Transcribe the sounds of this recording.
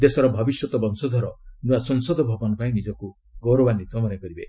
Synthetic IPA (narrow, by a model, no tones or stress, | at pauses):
d̪esɔɾɔbʱɔbisjɔt̪ɔbɔnsɔd̪ʱɔɾɔnuasɔŋsɔd̪ʱɔbʱɔbɔnɔpaĩnid͡ʒɔku | ɡɔwɾɔbanit̪wɔmanekɔɾibe